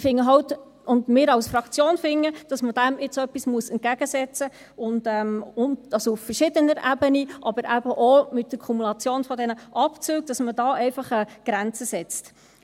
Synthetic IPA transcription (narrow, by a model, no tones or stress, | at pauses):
fɪŋːəɦɑwt | ʊndmɪːɾɑwsfɾɑkt͡sjoːnfɪŋːəd̥ɑsməd̥æmɪt͡sœpːismuəsɛnt̚ɡ̥æɡ̥əsɛt͡sə | ʊndɛmʊndɑsuffəɾʃɪdənəɾʔæbəniʔɑbəɾʔæbəʔomɪt̚dəɾkʰumulɑt͡sjoːnfɔdɛnəʔɑpt͡syːɡ̚d̥ɑsmədɑːʔɛɪfɑχɛɡ̥ɾænt͡səsɛt͡st